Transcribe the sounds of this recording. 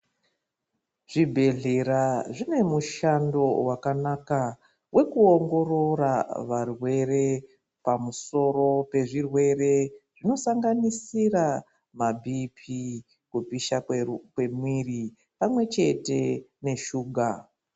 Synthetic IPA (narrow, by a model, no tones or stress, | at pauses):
ʐ̥ibʱe̞ɮe̞ɾaʐine̞muʃando̞wakanaka | wʔe̞kuoŋɡo̞ɾo̞ɾaʋarwe̞ɾe̞ | pamuso̞ɾo̞pe̞ʐirwe̞re̞ʐ̥ino̞saŋɡanisira | mabʱipʰi | kupiʃakwe̞mwiri | pamwe̞t͡ʃe̞te̞ne̞ʃuːɡʱa